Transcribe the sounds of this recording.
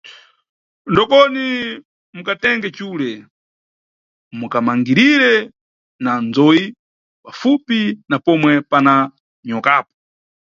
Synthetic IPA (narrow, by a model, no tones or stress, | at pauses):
ndɔkɔni | mukatɛŋɡɛt͡ʃuːlɛ | mukamaŋɡiɾiɾɛ | nand͡zɔji | pafupinapɔmwɛpana | ɲɔkaːpɔ̥